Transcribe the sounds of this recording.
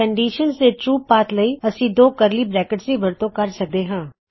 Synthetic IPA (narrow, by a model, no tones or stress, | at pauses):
əɳɖiːʃənsd̪eːʈɾuːpːaːt̪ləiːəsĩːd̪oːkəɾliːbɾɛːkəʈsiːʋəɾt̪õːkəɾsək̚d̪eːɦãː